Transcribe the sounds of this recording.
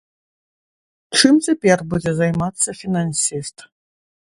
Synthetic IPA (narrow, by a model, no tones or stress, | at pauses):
ʈ͡ʂʰɨmzɐpʼerbudʲezajmat͡sʰːɐfinansistʰʼ